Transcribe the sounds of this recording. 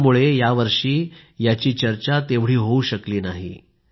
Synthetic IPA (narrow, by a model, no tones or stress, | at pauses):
muɭejaʋəɾʂiːjat͡ɕiːt͡ɕəɾt͡ɕat̪eʋɽ̤iːɦouɕəkliːnaɦḭ